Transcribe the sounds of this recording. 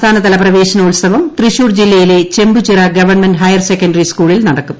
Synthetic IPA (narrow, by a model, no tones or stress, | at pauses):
t̪ʰaːnɐt̪ɐlɐprɐʋe̞ːɕɐnɐulsɐʋɐmt̪riɕuːrd͡ʑilːɐjile̞t͡ɕe̞mbud͡ʑirɐɡɐʋɐrɳmenɖɦɐjɐrsekːɐnɖɐriskuːɭilnɐɽɐkːum